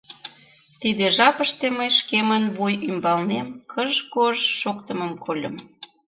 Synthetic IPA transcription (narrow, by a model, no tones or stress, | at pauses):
t̪id̪eʒɑpəʃt̪eməjʃkemənβujymbɑlnemkʰəʒkoʒʃokt̪əmə̆mkolʲə̰m